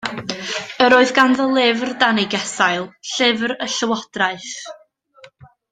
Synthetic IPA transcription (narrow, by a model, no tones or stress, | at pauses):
əɾoːɨðɡanðɔlˠɪvrdanɪɡɛsajlˠɬɪvrəɬəwɔd̥raɨθ